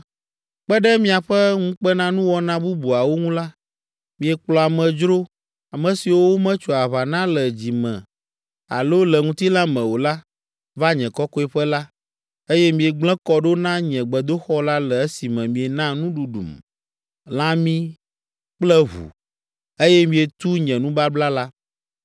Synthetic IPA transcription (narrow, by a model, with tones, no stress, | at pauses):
k͡pɛ˦ɖɛ˦mĩ˦a˨ɸɛ˦ŋũ˦k͡pɛ˦nã˦nũ˦wɔ˦nã˦bu˦bu˨a˨wo˦ŋũ˦la˦ | mĩ˨ɛ˨k͡plɔ˨a˨mɛ̃˨d͡ʒɾo˦ | a˨mɛ̃˨si˨wo˦wo˦mɛ̃˦t͡ʃɔ˨a˨βa˨nã˦lɛ˨d͡ʑi˨mɛ̰̃˨ | a̰˨lo˦lɛ˨ŋũ˦t̪i˦la˦mɛ̃˨wo˨la˦ | va˦ɲɛ̃˨kɔ˦kɔ˦ɛ˦ɸɛ˦la˦ | e˦jɛ˦mĩ˨ɛ˨ɡ͡blɛ̃˦kɔ˦ɖo˦nã˦ɲɛ̃˨ɡ͡bɛ˨d̪o˦xɔ˦la˦lɛ˨ɛ˦si˨mɛ̃˨mĩ˨ɛ˨nã˦nũ˦ɖu˨ɖṵ˨m | lã˦mĩ˦ | k͡plɛ˦ɦṵ˨ | e˦jɛ˦mĩ˦ɛ˨t̪u˦ɲɛ̃˨nũ˦ba˦bla˦la˦